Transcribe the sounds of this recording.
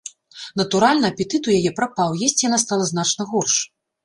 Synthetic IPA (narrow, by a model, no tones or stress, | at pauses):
nɐt̪uɾalʲnɨɐpʲɛt̪ɨt̪ujajɛpɾapawjɛsʲt͡sʲijanast̪alˠɐzn̪at͡ʂnɐɣɔrʂ